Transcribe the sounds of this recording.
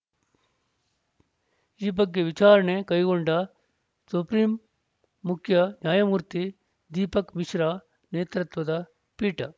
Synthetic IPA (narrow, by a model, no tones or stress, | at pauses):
iːbɐɡːeʋit͡ʃaːɾɐnekɐiɡoɳɖɐ | supɾiːmː | ukʰjɐnjaːjɐmuːɾt̪i | d̪iːpɐkmiʃɾaː | neːt̪ɾɐt̪ʋɐd̪ɐ | piːʈɐ